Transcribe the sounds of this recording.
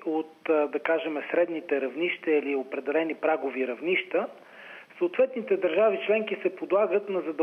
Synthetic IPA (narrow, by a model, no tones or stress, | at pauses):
ot̪d̪ɐkaʒɛmɛsɾɛd̪nit̪ɛɾɐvniʃt̪əiliopɾɛd̪ɛlɛnipɾaɡoviɾɐvniʃt̪ə | soʊt̪vɛt̪nit̪ɛd̪ɐɾʒavit͡ʃlɛŋkisɛpod̪lˠaɡət̪nɐzɐd̪